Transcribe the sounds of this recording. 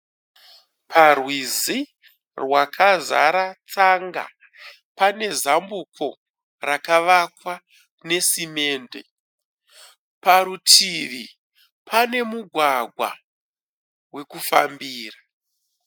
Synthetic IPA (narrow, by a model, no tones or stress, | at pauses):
pʰarwizi | rwakʰaza̰ɾat͡saŋɡa̰ | pane̞zambukʰo̞ | rakaʋakwa | ne̞sime̞ːnde̞̰ | paɾutʰiʋi | pʰane̞muɡʱwaɡʱwa̰ | we̞kufa̰mbiːra